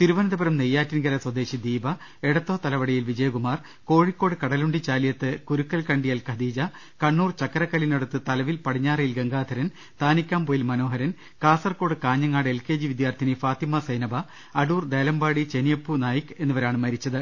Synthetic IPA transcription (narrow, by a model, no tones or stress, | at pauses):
t̪iɾuʋɐnɐðɐbɐɾɐmnejːaːtːinɡɐɾɐswɐd̪e̞ːɕid̪iːbɐ | eɽɐt̪ːo̞ːt̪ɐlɐʋɐɽɐjilʋid͡ʑɐjɐɡumaːr | ko̞ːɻikːo̞ːɽɨkɐɽɐluɳɖit͡ɕaːlijɐt̪ːɨkuɾukːɐlkɐɳɖijɐlkɐd̪iːd͡ʑɐ | kɐɳːuːrt͡ɕɐkːɐɾɐkːɐlineɽut̪ːɨt̪ɐlɐʋilpɐɽiɲːaːrijilɡeŋɡaːd̪ʰʱɐɾɐn | t̪ʰaːnikʲːaːmpo̞ːjilmɐno̞ːɦɐɾɐn | kaːsɐrko̞ːɽɨkaːɲːɐŋːaːɽe̞lke̞ːd͡ʑiʋid̪jaːrt̪ʰinifaːt̪imɐsɐjnɐbɐː | ɽuːrd̪eːlɐmbaːɽit͡ɕenijɐpːunaːjikːe̞nːuʋɐɾaːɳɨmɐɾit͡ɕːɐðɨ